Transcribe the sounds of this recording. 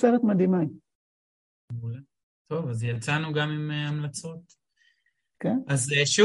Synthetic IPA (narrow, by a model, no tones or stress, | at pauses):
seʁet̪mad̪imai | ula | t̪o̞vazjalt͡sanuɡamimeamlat͡so̞t̪ | kenazeʃu